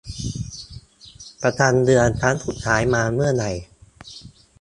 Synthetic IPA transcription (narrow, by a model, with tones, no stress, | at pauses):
pɾa˧t̪ʰaː˧ndɯ˧ənt͡ɕʰaː˦˥nt̪ʰu˨˩t̪̚t͡ɕʰaː˩˦jmaː˧mɯ˥˩ɐna˨˩j